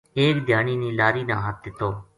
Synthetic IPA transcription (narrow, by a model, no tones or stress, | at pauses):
eːkd̪ʱjaːniːniːlaːɾiːnãːɦət̪̚d̪ɪt̪oː